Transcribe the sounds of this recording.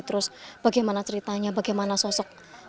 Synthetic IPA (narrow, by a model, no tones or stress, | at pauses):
t̪əɾʊsb̥aɡajmanat͡ʃəɾit̪aɲabaɡajmanasɔsɔk̚